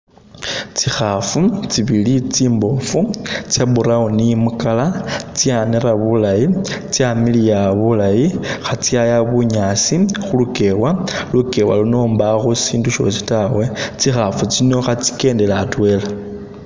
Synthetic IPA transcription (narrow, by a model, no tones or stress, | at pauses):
t͡sixafut͡siβilit͡siːmbo̞fut͡sjabuɾaonijimukalat͡sianeɾaβulajit͡sjamilijaβulajixat͡sjajaβuɲasixuluke̞waluke̞wa̰lunoːmbaxusiːnduʃo̞̰si̥tawe̞t͡sixafut͡sino̞xat͡si̥ke̞ːnde̞laːtwe̞la